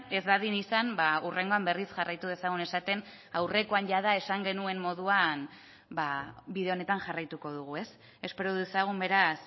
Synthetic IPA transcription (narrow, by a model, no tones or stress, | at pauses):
e̞zd̪aðinisambaure̞ŋɡo̞ambe̞risʝarajt̪uð̞e̞saɣ̞une̞sat̪e̞n | awre̞ko̞anʝaðae̞saŋɡe̞nue̞mːo̞ðuan | babiðe̞o̞ne̞t̪aŋʝarajt̪uko̞ð̞uɣ̞ue̞s | e̞spe̞ɾoðuesaɣ̞umbe̞ɾas